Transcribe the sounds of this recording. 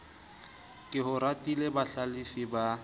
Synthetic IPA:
kʼɪɦʊɾatʼilebaɬalifiba

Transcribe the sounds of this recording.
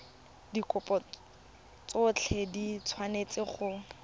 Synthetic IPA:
dikʼʊpʼɔ | t͡sʊt͡ɬʰedit͡sʰwanet͡sʼɪχʊ

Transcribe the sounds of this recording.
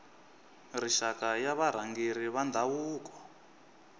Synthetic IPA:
riʃakajaβaɾ̤aŋɡeɾiβand̪ʱawuːkɔ̥

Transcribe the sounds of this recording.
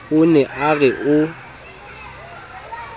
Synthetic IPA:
ʊnɛʔaɣɛʔʊ

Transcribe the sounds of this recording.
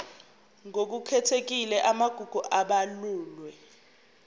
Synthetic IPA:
ŋok̬ukʰɛtʰek̬ilɛʔamaɡ̥ʱuɡ̥ʱuʔaɓaluːlwɛ

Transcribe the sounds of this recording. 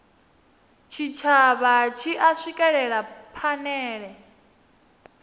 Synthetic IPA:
t͡ʃʰit͡ʃʰaβat͡ʃʰiʔaʂʷikʼɛɺɛɺapʰanɛːɺɛ

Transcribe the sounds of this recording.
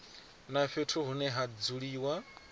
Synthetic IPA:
naɸetʰuɦunɛɦad͡zuɺiːwa

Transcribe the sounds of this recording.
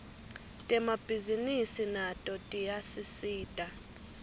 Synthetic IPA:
tʼɛmab̥ʱizinisinatʼɔtʼijasisiːtʼa

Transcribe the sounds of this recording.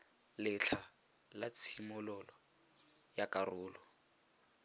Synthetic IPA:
lɪt͡ɬʰa | lat͡sʰimʊlɔlɔ | jakʼarʊːlɔ

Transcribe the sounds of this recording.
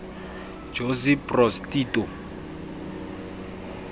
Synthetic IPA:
d͡ʒosipʼrɔstiːtʼɔ

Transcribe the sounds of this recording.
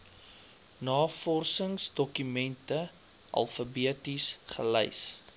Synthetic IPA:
nɑːfɔrsəŋsdɔkymɛntə | ʔɐ̰lˠfəbiətisχə̰ləjs

